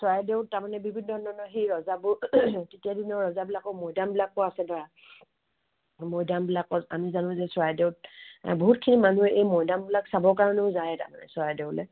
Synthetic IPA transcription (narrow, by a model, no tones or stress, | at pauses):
swajdeʊttːaɹmanɛbibʱinːɔnɔnɔxejɹɔzabʊtetijadinɔɹɔzabilakɔmɔjdambilak̚pɔasɛbaa | mɔjdambilakɔta̰mizanʊ̃zɛswajdeʊt̚boɦutkʰinimanuɛʔejmɔjdambilaksabɔɹkaɹɔnɛʊzajɛta̰ɹma̰nɛ̰swajdeʊlɛ̰